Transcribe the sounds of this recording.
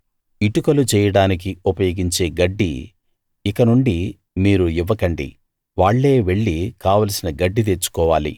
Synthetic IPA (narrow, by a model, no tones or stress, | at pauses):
iʈukɐlut͡ʃɛːjɐɽaːnik̬iupɐjoːɡiɲt͡ʃe̞ːɡɐɖːḭ | ikɐnuɳɖi | miːɾuiʋːɐkɐɳɖḭ | ʋaːɭːe̞ːʋe̞ɭːikaːʋɐlɐsinɐɡɐɖːit̪eːɾt͡ʃu̥kɔːʋaːlḭ